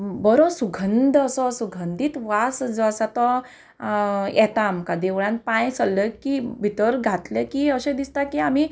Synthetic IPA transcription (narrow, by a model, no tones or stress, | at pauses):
bəɾosuɡʱənd̪əsɔsuɡʱənd̪iːt̪ʋasd͡zsat̪ɔ | jɛt̪aːmkad̪eʋɭãn̚pãjsəlːəkibʱit̪əɾɡʱat̪lekiəɕẽd̪ist̪akiami